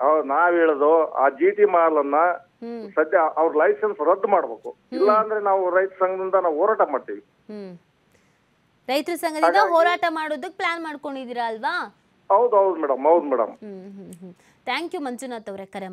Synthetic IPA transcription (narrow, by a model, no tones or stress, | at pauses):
ɐnaːʋeːɭod̪oa̰ːd͡ʒiːʈimaːlɐnːɐ | sɐd̪jɐʔɐʋɐɾulɐjsensɾɐd̪ːmaːɽbeːku | ilːɐːnd̪ɐɾenaːʋuɾɐjt̪ɾɐsɐŋɡɐd̪ind̪ɐnaːʋuɦɔːɾaːʈɐmaːɽ̚t̪iʋi | ɦː | ɾɐjt̪ɾɐsɐŋɡɐd̪iːd̪ɐɦɔːɾaːʈɐmaːɽoːd̪ɐk̚ːeplaːnmaːɽko̞ɳɖid̪iːɾaːlʋaː | ɦɐwd̪uɦɐwd̪umɛːɽɐmɦɐwd̪umɛːɽɐ̰mɦɦɦ | t̪ʰaːŋkjumɐnt͡ʃunaːt̪ɐʋɾekɐɾe